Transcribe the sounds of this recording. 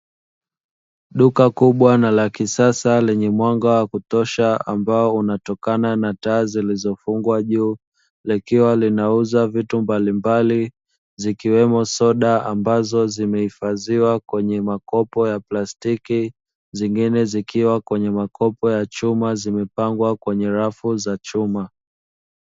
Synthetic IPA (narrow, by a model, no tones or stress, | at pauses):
ɗukakuɓwanalakisasalɛɲɛmwaŋɡawakutɔʃaa̰mbaɔunatɔkananataːzilizɔfuŋɡwaʄuː | likiwalinauzavitumbalimbali | zikiwɛmɔsɔɗaambazɔzimɛhifaziwakwɛɲɛmakɔpɔjaplastiki | ziŋɡinɛzikiwakwɛɲɛmakʰɔpɔjat͡ʃumazimɛpaŋɡwakwɛɲɛɾafuzat͡ʃuma